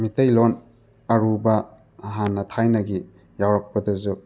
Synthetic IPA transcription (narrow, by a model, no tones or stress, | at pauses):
mitɐjlon | ɐɾubɐ | ɦanːɐtʰajnɐɡi | jawɾɐk̚pɐdɐzu